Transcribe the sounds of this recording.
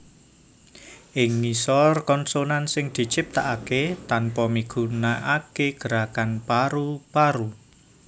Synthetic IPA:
ʔɪŋmisɔrkɔnsonansɪŋd̪̥i̤t͡ʃɪp̚t̪aʔaket̪anpɔmiɡ̥ṳnaʔakeɡ̥əɾakanpaɾupaɾu

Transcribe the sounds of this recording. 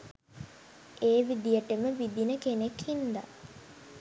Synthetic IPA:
ʔeːʋid̪ijəʈəməʋid̪inəkenekhind̪a̰

